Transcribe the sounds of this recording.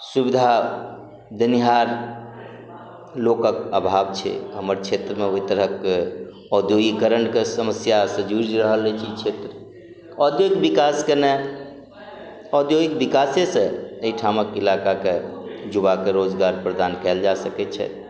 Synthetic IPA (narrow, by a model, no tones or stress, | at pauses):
subid̪ʱa | d̪əniɦaɾ | lokəkəbʱabt͡ʃʰɛ̰ɦəməɾt͡ʃʰet̪ɾəmeɦojt̪əɾəke | ɔd̪joɡikəɾəɳkesəməsjasə̃d͡ʒuɾd͡ʒɾəɦəlɛt͡ʃʰit͡ʃʰet̪ɾə | ɔd̪joɡik̚bikaskəne | ɔd̪joɡik̚bikasesə̃əiʈʰaməkilakaked͡ʒuβakeɾod͡ʒɡaɾpɾəd̪ankɛld͡ʒasəkɛt͡ʃʰɛ̰